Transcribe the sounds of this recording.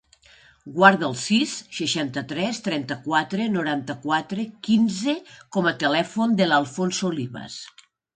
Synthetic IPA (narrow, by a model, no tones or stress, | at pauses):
ɡwaɾðəːlˠsisʃəʃant̪ət̪ɾɛst̪ɾɛnt̪əkwat̪ɾenuɾant̪əkwat̪ɾekinzekɔmət̪elɛfond̪ələlˠfonsooliβə̰s